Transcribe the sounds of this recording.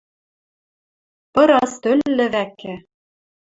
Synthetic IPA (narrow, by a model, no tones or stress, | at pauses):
pɤ̆ɾɑst̪ølːɘ̆βækːɘ̆